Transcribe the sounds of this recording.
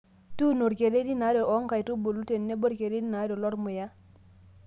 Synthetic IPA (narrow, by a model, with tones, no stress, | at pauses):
tu˦no˨ɾke˨ɾe˦di˦na˨˦do˨ʔo˦ŋka˨jtu˦bo˨lu˦te˨nːe˦bo˦ɾke˨ɾe˦di˦na˨˦do˨lo˦ɾmu˨ja˦